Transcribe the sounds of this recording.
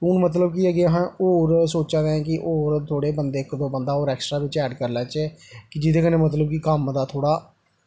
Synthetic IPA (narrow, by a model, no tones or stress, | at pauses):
unmət̪̬ləb̚kiəɡeːəɦãːoːɾsoːt͡ʃãːd̪eɛ̃ːkɪʔoːɾt̪ʰoːɽeːbənd̪eːɪkːd̪oːbənd̪aːoːɾɛːksʈɾaːbɪt͡ʃɛːɖkəɾlɛ̃ːt͡ʃːkɪd͡ʒɪt̪ʰeːkəneːmət̪̬ləbkikəmd̪aːt̪ʰoːɽaː